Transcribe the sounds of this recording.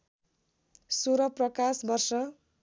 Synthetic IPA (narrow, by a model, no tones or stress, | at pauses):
suɾʌprʌkasbʌrsʌ